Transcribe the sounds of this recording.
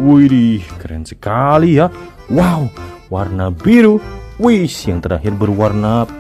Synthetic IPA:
wuiɾikəɾɛ̰nsə̥kalija | wauwarnabiɾuwisjaŋt̪əɾa̰ɦɪrbərwarna

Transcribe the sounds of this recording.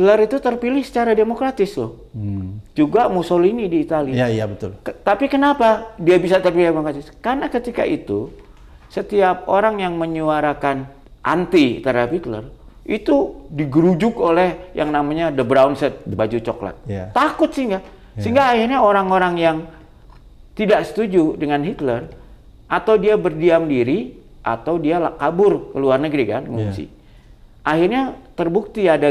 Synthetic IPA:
tləɾit̪ut̪ərpilɪhsə̥t͡ʃaɾademokɾat̪ɪst̪ʊh | d͡ʒuɡamusolinidiːt̪aliabət̪lt̪apikənapadiabisat̪ərpilɪhdemokɾat̪ɪskarnakət̪ika̰ʔit̪u | sət̪iap̚oɾaŋjaŋməɲuaɾakan | ʔa̰nt̪it̪aɾapit̪lə̰rʔit̪udiɡəɾud͡ʒʊkolɛhjaŋnamaɲadəbɾaunsɛt̪̚dəbad͡ʒut͡ʃokla̰t̪̚ːakʊt̪̚siŋɡa | siŋɡaːhirɲaoɾaŋoɾaŋjaŋ | t̪idaksə̥t̪ud͡ʒudəŋanɦit̪lər | ʔat̪awdiabərdiamdiɾi | ʔa̰t̪awdialakabʊrkəluarnəɡɾikanŋuŋsḭ | ʔahirɲat̪ərbuk̚t̪iada

